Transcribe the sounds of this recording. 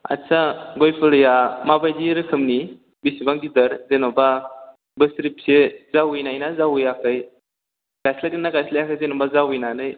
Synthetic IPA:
a̰saɡojpʰɯlɯjamabajdiɾɯkʰɯmni | bisibaŋɡidɯɾzenɔba | bɯstɾip̚sezawɯjnajnazawɯjakʰɯj | ɡ̥ajslakenːaɡajslajakʰɯjzenɔbazawɯjnanɯj

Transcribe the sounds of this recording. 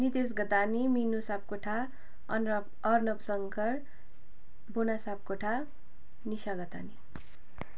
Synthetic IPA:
nit̪esɡʌt̪animinusap̚koʈʰa | ʌrnʌpsʌŋkʰʌr | bonasap̚koʈʰa | niʃaɡʌt̪a̰ni

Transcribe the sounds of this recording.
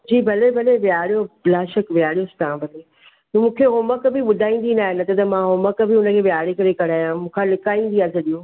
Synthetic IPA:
d͡ʑiːbʱɐlebʱɐleʋjaːɽijoblaːʃəkʋjaːɽijost̪ãbʱɐle | t̪ɐmũːkʰeɦoːməkbɪɓʊd̪ʱaːĩːn̆d̪inaːɦɪnɐt̪ɐt̪ɐmãɦoːməkbɪʊnə̆kʰeːʋjaːɽekɐɾekɐɽ̤aːjãmũːkʰãlɪkaːĩːn̆d̪iasɐɗijũː

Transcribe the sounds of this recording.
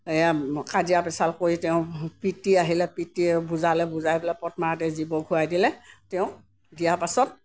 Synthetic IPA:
ejakadijapɛsalkoɹitɛʊ̃pitiaɦilɛpitibuzalɛbuzajbɛlɛpɔtmaatɛzibɔɡʱuajdilɛtɛʊ̃ | dijaɹpasɔt̚

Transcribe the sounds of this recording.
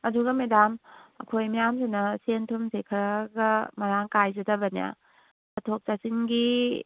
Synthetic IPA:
ɐduɡɐmedamɐkʰojmijamsenɐsentʰumsekʰɐɾaɡɐmɐɾaŋkajzɐtɐbɐnija̰ | ɐtʰok̚t͡ʃast͡ʃinɡi

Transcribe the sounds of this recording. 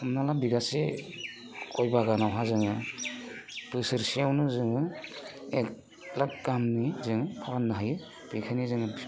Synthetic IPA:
ɯmnalabiɡase | kʰɔjbaɡanawɦazɯŋɯ | pɯsɯɾsijawnɯzɯŋɯ | e | lak̚ɡamnizɯŋɯkʰawanːaɦajɯ | b̥ikʰanizɯŋɯ

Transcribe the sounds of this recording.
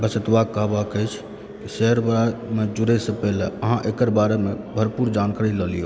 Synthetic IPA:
bəsət̪ʋaɡkːəɦbakəjt͡ʃʰ | kisɛɦəɾbɾamed͡ʒuɾesə̃pɛleəɦãʔekəɾbaɾeme | bʱəɾpuɾd͡ʒankaɾiləlijo

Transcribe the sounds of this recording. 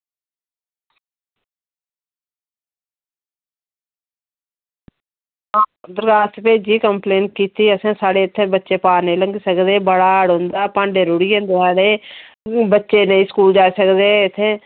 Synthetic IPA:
aːd̪ʊɾkaːst̪peːd͡ʒiːkəmpleːnʈ̚kiːt̪iːəsãːsaːɽeːɪt̪ʰːeːbətːʃeːpaːɾneĩːləŋɡisəkd̪eːbəɽaːəɽɦõːnd̪aːpãːɳɖeːɾʊɽiːẽːnd̪osaːɽeː | bətːʃeːnəĩːskuːld͡ʒaːsəkd̪eːɪt̪ʰːeː

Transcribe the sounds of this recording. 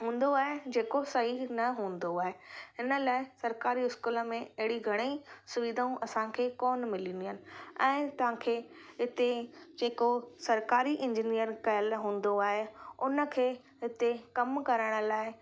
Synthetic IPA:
ɦũːn̆d̪oaːɦed͡ʑeːkosɐɦinɐɦũːn̆d̪oaːɦeɦɪnə̆laːɪsɐɾkaːɾiɪskuːlə̆mẽɐɦɪɽiɡʱɐɽ̃əisʊʋid̪ʱaũʔɐsãkʰeːkɔːnmɪlĩːnd̪iɦənɪ̆ɛ̃ːt̪ɐʋ̤ãkʰeː | ɦɪt̪ed͡ʑeːkosɐɾkaːɾiʔɪ̃ɲd͡ʑinijəɾkɐjəlɦũːn̆d̪oaːɦeʊnə̆kʰeː | ɦɪt̪ekɐmkɐɾəɽ̃ə̆laːɪ

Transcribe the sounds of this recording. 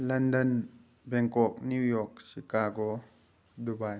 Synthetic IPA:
landən | bɛŋkɔk̚niwjɔk̚sikaːɡo | dubaj

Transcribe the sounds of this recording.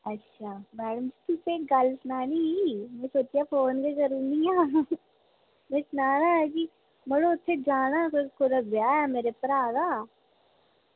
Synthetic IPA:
ɐtːʃʰaːmɛːɽəmd͡ʒit̪ʊseːɡɐlsnaːnimɛ̃soːt͡ʃiapʰoːnkekɐɾũːnijaː | mɛ̃sʊnaːnaɛki | moloʊt̪ʰːed͡ʒaːɽ̃akokʰoɾabjaːjaːmeːɾepɐɾaːdaː

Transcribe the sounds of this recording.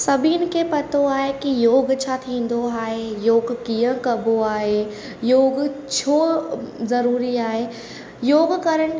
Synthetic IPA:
sɐbʱiɪnkepɐt̪oaːɦekijoːɡt͡ɕʰat̪ʰĩːn̆d̪oaːɦejoːɡkijə̃kɐboaːɦe | joːɡt͡ɕʰoːzɐɾuːɾiaːɦe | joːɡkɐɾəɽ̃̆

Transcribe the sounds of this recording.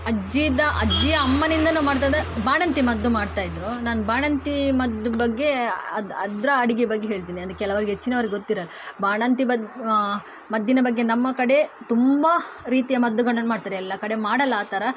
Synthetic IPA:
ɐd͡ʒid̪ɐʔɐd͡ʒijɐɐmːɐnind̪ɐnuːmaːɖt̪̬aːd̪ebaːɳɐnt̪imɐd̪ːumaːɽt̪aːjid̪ɾonaːnbaːɳɐnt̪imɐd̪ːubɐɡːe̞ɐd̪ɐd̪ɾɐɐɽiɡebɐɡːeɦeːɭt̪̬iːniɐd̪kːɛlɐʋɐɾiɡɦet͡ʃːineʋɐɾɡɡot̪ːiɾɐlː | baːɳɐnt̪iɐ | mɐd̪ːinɐbɐɡːe̞nɐmːɐkɐɽe̞t̪umbɐɾiːt̪ijɐmɐd̪ːuɡɐɳːɐnmaːɖt̪aːɾeɛlːɐkɐɽe̞maːɽɐlːaːt̪ɐɾɐ

